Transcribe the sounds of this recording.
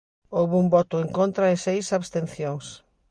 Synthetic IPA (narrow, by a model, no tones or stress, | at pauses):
owβumbɔt̪ʊeŋkont̪ɾɐɪsejsaβst̪en̟θjoŋs